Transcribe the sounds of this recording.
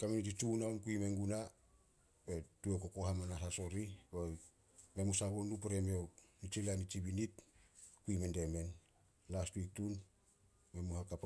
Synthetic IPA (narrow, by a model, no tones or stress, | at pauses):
kamenit̬it͡ʃunaomkuimeŋɡuna | betuekokohamanasaso̞ɾibo | memusabonupeɾemionit͡ʃilianit͡ʃibinitkuimende̞me̞n | lastwik̚tun | me̞muhakap